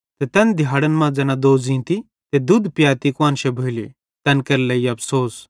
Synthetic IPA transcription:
t̪ɛt̪ɛnd̪ʱjaːɽənmãd͡zɛːnad̪oːd͡zĩːt̪i | t̪ed̪ud̪pjaːt̪ikãːnʃɛbʱoili | t̪ɛnkɐɾlɐiɐpʰsoːs

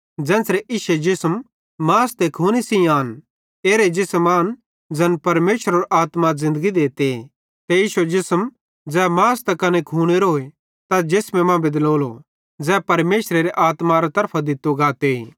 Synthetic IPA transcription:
d͡ʒɛ̃ːnsɾeʔiːʃed͡ʒɪsm | maːst̪ekʰuːñisĩaːn | eːɾed͡ʒɪsmaːn | d͡ʒɐnpɐɾmeːʃɾoɾʔaːt̪mazɪ̃nd̪əɡid̪eːt̪e | t̪ejiːʃued͡ʒɪsm | d͡zɛːmaːst̪ɛkɐnekʰuːɽ̃eɾoːe | t̪ad͡ʒɪsmɛ̃mãbɪd̪loːlo | d͡zɛːpɐɾmeːʃɾeɾeʔaːt̪maɾat̪ɐɾpʰad̪ɪt̪ːuɡaːt̪eiː

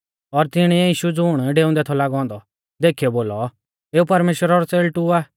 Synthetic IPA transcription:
ɔɾt̪ɪɽ̃iiːʃud͡zuːɽ̃ɖeːʊ̃nd̪ɛt̪ʰɔlaɡɔ̃ːnd̪ɔ | d̪eːkʰiɔboːlɔ | eːupɐɾmeːʃwəɾaɾɔselʈuaː

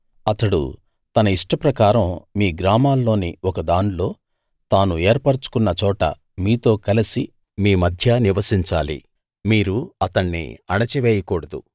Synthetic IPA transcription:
ɐt̪ɐɽṵ | t̪ɐnɐiʂʈɐpɾɐkaːɾɐmmiːɡɾaːmaːlːo̞ːniɔkɐd̪aːnlo̞ː | t̪aːnueːɾpɐɾt͡ʃu̥kunːɐt͡ʃɔːʈɐ̰ | miːt̪o̞ːkɐlisi | miːmɐd̪ʱjɐniʋɐsiɲt͡ʃaːlḭ | miːɾuɐt̪ɐɳːḭɐɳɐt͡ʃiʋeːjɐkɔːɽɐd̪ṵ

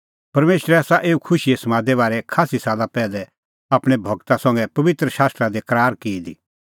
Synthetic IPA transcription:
pɐɾmeːʃɾɛaːsaʔeːukʰʊʃiesɐmãːd̪ɛβaːɾɛkʰaːsisaːlapɛːlɛ | aːpɽ̃ebʱɐɡt̪asɐ̃ŋɡɛpɐʋɪt̪ɾəʃaːst̪ɾad̪ekɐɾaːɾkeːd̪i

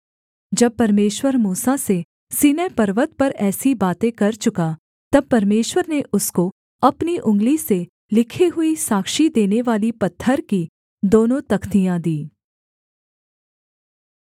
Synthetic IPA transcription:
d͡ʒɐb̚pɐɾmeːʃwəɾmuːsase | siːnɛpɐɾʋət̪̚pɐɾɛːsibaːt̪ẽkɐɾt͡ʃʊka | t̪ɐb̚pɐɾmeːʃwəɾneʔʊsko | ɐpniʔʊ̃ŋɡlise | lɪkʰiɦʊisaːkʃid̪eːneʋaːlipɐt̪ʰːəɾki | d̪oːnõt̪ɐkʰt̪ijãd̪iː

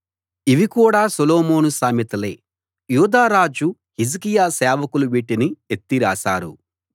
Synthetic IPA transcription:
iʋikuːɽaːsɔloːmoːnusaːmit̪ɐleː | juːd̪aːɾaːd͡ʒu | hizkijaːsɛːʋɐkuluʋiːʈiniet̪ːiɾaːsaːɾṵ

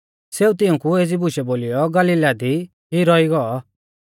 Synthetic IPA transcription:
seːut̪ɪũkueːd͡zibʊʃɛboːlɪjɔɡɐliːlad̪i | ɦiɾɔiɡɔɔ

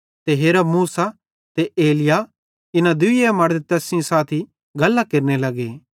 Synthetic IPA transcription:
t̪eɦeːɾɐmuːsa | t̪eeːlɪja | ɪnãd̪ʊiemɐɾd̪t̪ɛːsɪ̃saːt̪ʰi | ɡɐlːakeɾnelɐɡeː

